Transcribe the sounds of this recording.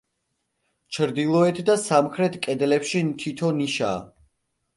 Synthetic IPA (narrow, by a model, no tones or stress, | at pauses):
t͡ʃʰɾd̪ilˠɔɛt̪ʰd̪asamχɾɛt̪ʰkʼɛd̪lɛpʃimt̪ʰit̪ʰɔniʃa̰ː